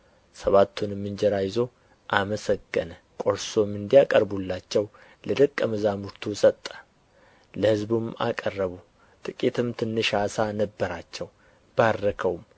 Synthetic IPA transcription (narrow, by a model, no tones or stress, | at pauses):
səβat̪ʰːunmːɨnd͡ʒɛɾajɪzo̞ | ʔaməsəɡːənə | kʼo̞ɾso̞mːɨnd̪ijakʼəɾbulːat͡ʃːɛw | ləd̪əkʼːəməzamuɾt̪ʰusʼət̪ʼːə̥ | ləhɨzbuma̰kʼərːəβu | t̪ʼɨkʼit̪ʰɨmt̪ʰɨnːɨʃasanəbːəɾat͡ʃːɛw | b̥aɾːəkʰəwum